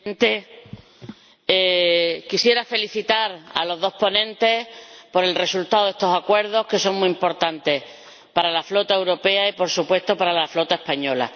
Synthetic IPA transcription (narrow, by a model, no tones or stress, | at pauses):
nt̪e | ekisje̞ɾafe̞liθit̪aɾa̰lo̞ððo̞hpo̞nẽ̞nt̪e̞po̞ɾe̞lre̞sult̪aoðe̞st̪o̞sakwe̞ɾð̞o̞hke̞so̞ŋmũĩimpo̞ɾt̪ant̪e̞ | paɾalaflo̞t̪ae̞wɾo̞pe̞aipo̞ɾsupwe̞st̪o̞paɾalaflo̞t̪ae̞hpaɲo̞la̰